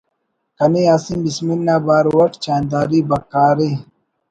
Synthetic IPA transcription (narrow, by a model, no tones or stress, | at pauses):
kɐniaːsimbisminːaːbaːɾwɐʈt͡ɕaːnd̪aːɾibɐkaːɾi